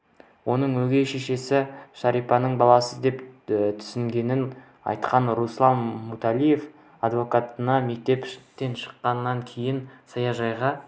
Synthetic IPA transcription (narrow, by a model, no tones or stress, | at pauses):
wo̞nəɴwɵɡʲe̞jʃeʃe̞sɪʃɑɾijpɑnəɴbɑlˠɑsəd̪e̞pt̪ʰʏ̥sɪŋɡʲe̞nɪn | ɑ̰jt̪qɑnɾuslˠɑmːut̪alˠije̞f | ɑd̪vo̞kat̪ənɑme̞k̚t̪e̞pt̪ːe̞nʃə̥qːɑnːɑŋkʲʰejɪnsɑjɑʒɑjʁɑ